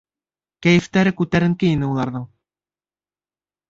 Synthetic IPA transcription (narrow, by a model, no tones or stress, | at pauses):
kæjɘ̆ft̪æɾɘkʉt̪æɾɘ̆ŋkɘinɘulˠɑɾðɤɴ